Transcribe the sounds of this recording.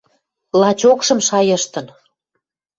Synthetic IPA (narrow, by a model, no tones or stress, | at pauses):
lɑt͡ɕokʃɤ̆mʃɑjə̆ʃt̪ə̆n